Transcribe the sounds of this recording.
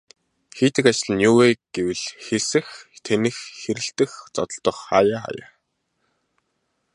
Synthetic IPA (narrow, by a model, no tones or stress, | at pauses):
xeːt̪ɘ̆kat͡ɕɪ̆ɮ̆njuːweːɡ̥ewɘ̆ɮxesɘ̆xt̪ʰenɘ̆xxeɾɘ̆ɬt̪ɘ̆xt͡sɔt̪ɞ̆ɮt̪ɞ̆χajaːχa̰ja̰ː